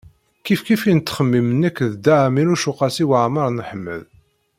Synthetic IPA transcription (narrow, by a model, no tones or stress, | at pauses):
kifkifint̪ːχəmːimənːəkːðd̪aʕminuʃuqɑsiwəʕmɑɾˤnħəmːə̰ð